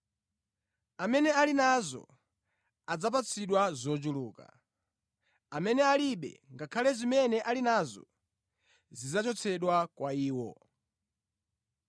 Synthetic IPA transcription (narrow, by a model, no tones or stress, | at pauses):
amɛnɛalinazɔ̰ | ad͡zap̬at͡sʰiɗwazɔt͡ʃuluːka̰ | amɛnɛaliɓɛ̰ŋɡakʰalɛzimɛnɛʔalinazɔ̰ | zid͡zat͡ʃɔt͡sʰɛɗwakwaiːwɔ